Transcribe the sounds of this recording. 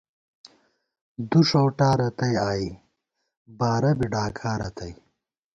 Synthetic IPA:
d̪uʂowʈaːɾɐt̪ɐjaːi | baːɾɐbiɖaːkʰaːɾɐt̪ɐj

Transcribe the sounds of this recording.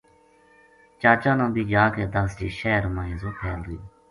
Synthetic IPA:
t͡ʃaːt͡ʃãːnõːbʱiːd͡ʒaːkeːd̪əsd͡ʒiːʃɛːɾmãːĩːzoːpʰɛːld̪ʊiː

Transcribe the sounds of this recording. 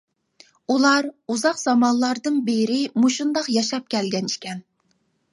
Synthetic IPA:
ulˠɑɾuzɑqz̥ɑmɑnlˠɑɾd̪ɨnbeɾɪmuʃund̪ɑqjɑʃɑp̚kʲɛlɡʲɛnt͡ʃʰi̥kʲʰɛn

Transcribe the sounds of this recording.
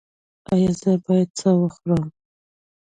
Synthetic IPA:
ɑjɑzəbɑjad̪̚t͡səwəxɾɑm

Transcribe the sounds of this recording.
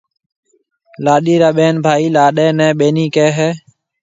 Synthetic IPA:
laːɗiːɾaːɓeːnbʱaːiːlaːɗeːnɛ̃ːɓeːniːkeːɦɛː

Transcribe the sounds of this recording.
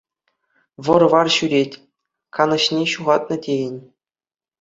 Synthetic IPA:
ʋɤ̆rʋɑrɕyɾʲetʲ | kɑnɤ̆ɕnʲeɕuʁɑt̪̚nɤ̆tʲejɘ̆nʲ

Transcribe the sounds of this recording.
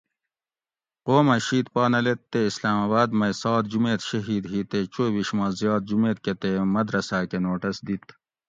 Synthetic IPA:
qoːmɐʃiːt̪pɑːnɐlet̪ːeislaːmɐːbaːd̪mɐjsɑːt̪̚d͡ʑumeːt̪ʃɐɦiːd̪ɦit̪et͡ɕoːbiʃmɐːzjɑːt̪̚d͡ʒumeːt̪ket̪emɐd̪ɾɐsaːkenoːʈɐsd̪it̪

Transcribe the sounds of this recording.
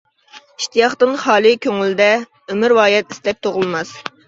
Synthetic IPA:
iʃt̪ijɑχt̪ɨnχɑːlˠɨkʲʰøŋyld̪ɛ | ømɪɾwɑːjɛt̪ist̪ɛp̚t̪ʰoʁʊlˠmɑs

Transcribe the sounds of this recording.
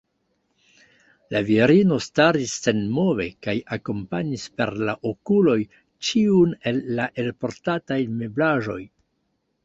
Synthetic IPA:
laviɾino̞staɾisːe̞nmo̞ve̞̰kajako̞mpaɲispe̞̰ɾlaʔokulo̞j | t͡ʃiune̞lːaʔe̞lpo̞ɾtatajme̞blaʒo̞̰j

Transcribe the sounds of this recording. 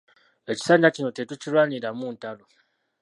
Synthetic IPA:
e̞ci̥saːɲɟacino̞tetucilwaːniɾamuːntalo

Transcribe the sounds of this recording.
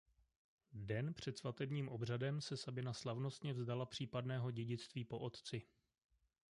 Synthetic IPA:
dɛnpr̝̥ɛt̪svat̪ɛbɲiːmʔo̞br̝adɛmsɛsabɪnaslavno̞st̪ɲɛvzdalapr̝̥iːpadnɛːɦo̞ɟɛɟɪt͡st̪viːpo̞ʔo̞t̪t͡sɪ

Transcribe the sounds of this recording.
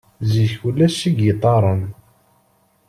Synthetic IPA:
ziçulːæʃiɡət̪ˤːɑɾˤən

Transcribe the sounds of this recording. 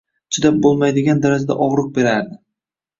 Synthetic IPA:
t͡ʃʰɪd̪ap̚bolˠmajd̪ɪɡʲand̪aɾad͡ʒad̪a̰ʔɒʁɾɨq̚be̞ɾaɾd̪ɪ

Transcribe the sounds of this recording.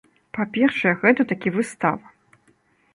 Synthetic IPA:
papʲɛrʂɐjɛɣɛt̪ɐt̪akʲivɨst̪avɐ

